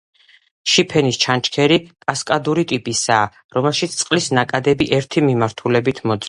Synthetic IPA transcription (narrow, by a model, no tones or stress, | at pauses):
ʃipʰɛnist͡ʃʰant͡ʃʰkʰɛɾikʼaskʼad̪uɾit̪ʼipʼisaː | ɾɔmɛlˠʃit̪st̪sʼqʼlisnakʼad̪ɛbiʔɛɾt̪ʰimimaɾt̪ʰulɛbit̪ʰmɔt̪sʼ